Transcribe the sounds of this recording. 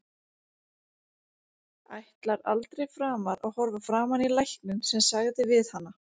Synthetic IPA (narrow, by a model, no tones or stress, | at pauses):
a̰jht̪laɾa̰lt̪ɾejfɾaːmaɾaɣhɔɾvafɾaːmanilajhknʏnsɛmsaɣðɪvɪðhanːa